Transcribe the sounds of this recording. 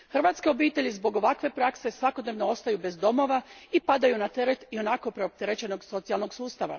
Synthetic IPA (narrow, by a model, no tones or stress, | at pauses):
xrʋat̪ske̞o̞biːt̪e̞ʎizbo̞ɡo̞ʋakʋe̞pɾakse̞sʋako̞d̪neʋno̞o̞st̪ajube̞zd̪o̞mo̞ʋaipad̪ajunat̪e̞ɾe̞t̪io̞nako̞pɾe̞op̚t̪eɾet͡ɕe̞no̞ɡso̞t̪sijalˠno̞ɡsuːst̪aʋa̰